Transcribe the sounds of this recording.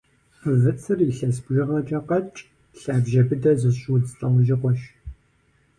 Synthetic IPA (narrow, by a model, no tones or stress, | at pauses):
qəvɨt͡sʰɨriɬɐs̬bʒɪʁɐtʼɐqɐt͡ʃʼ | ɬaːbʒɐbɨdɐzɨɕuzɬʼɐwʒɪqʷɔʃ